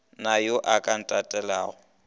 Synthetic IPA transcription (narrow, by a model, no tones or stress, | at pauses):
najoʔakʼan̩tʼatʼɛlaːɣʊ